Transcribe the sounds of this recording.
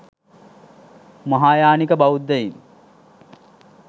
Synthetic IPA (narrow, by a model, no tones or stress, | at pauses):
mɐɦaːjaːnikəbawud̪ːejin